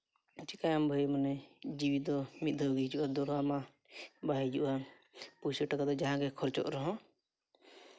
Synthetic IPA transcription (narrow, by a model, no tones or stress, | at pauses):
t͡ʃikajambʱəjmanɛd͡ʒiwid̪ɔmit̪̚d̪ʱəwɡid͡ʒuʔad̪ɔɾama | baɦid͡ʒuʔa | pusəʈak̪ad̪ɔd͡ʒaɦãɡɛkʰɔɾt͡ʃɔ̰ʔɾɔɦɔ̃